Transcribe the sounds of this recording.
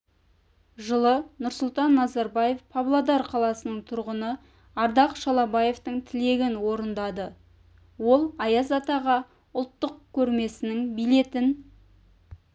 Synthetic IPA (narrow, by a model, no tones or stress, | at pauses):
ʒəlˠənʊɾsʊlˠt̪ɑnːɑzɑɾbɑje̞fpʰɑblˠad̪ɑɾqʰɑlˠɑsənəɴt̪ʰʊɾʁənə | ɑɾd̪ɑqʃɑlˠɑbɑje̞ft̪əɴt̪ʰɪle̞ɡʲɪnwo̞ɾənd̪ɑd̪ə | wo̞lˠɑjɑzɑt̪ɑʁɑ | ʊlˠt̪ːəqkʲʰɵɾme̞sɪnɪŋbijle̞t̪ɪn